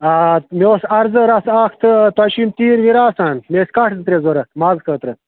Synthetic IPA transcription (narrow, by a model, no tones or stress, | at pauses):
aːmʲeːsɐɾzɨɾasaːxt̪ʰət̪wɐʃimt̪iːɾʋiɾaːsaːnmeːskaːʈʰzɨt̪ɾezoɾɐmaːzkət̪ɾɐ